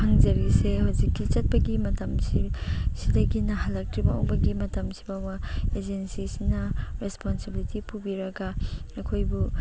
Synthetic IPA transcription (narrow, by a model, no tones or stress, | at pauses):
pʰaŋd͡ʒɐɾisehawzikːit͡ʃɐt̚pɐɡimɐtɐmsisidɐɡinɐɦalːɐk̚tɾibɐo̰wbɐɡimɐtɐmsi̥bawɐed͡ʒensisinɐɾesponsibilitipubiɾɐɡaɐkʰojbu